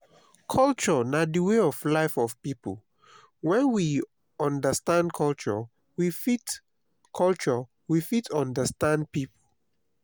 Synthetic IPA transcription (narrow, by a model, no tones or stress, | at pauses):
kʰɔlt͡ʃənadiweɔvlaɪfɔv̥pipə̰l | wɛ̃nwi | ɔ̃ndəstãndkʰɔlt͡ʃə̰ | wifit | kʰɔlt͡ʃə | wifitʰɔ̃ndəstãnd̚pipʰəl